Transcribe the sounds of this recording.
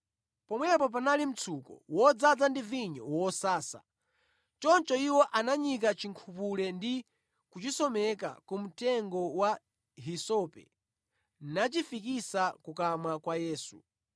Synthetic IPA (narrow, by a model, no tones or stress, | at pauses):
pɔmwɛp̬ɔp̬analim̩t͡sʰukɔ̰wɔd͡zad͡zandiviɲɔ̰wɔsaːsa̰ | t͡ʃɔnt͡ʃɔiwɔʔanaɲik̬at͡ʃiŋkʰupulɛndi | kut͡ʃisɔmɛk̬a̰kum̩tɛŋɡɔwa | ɦisɔpɛ̰ | nat͡ʃifik̬isakukamakwajɛːsu